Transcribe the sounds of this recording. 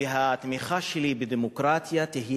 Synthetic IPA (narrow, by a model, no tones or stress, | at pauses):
ɪɦat̪mixaʃeliːbɪd̪emokɾaːt̪jat̪ɪɦi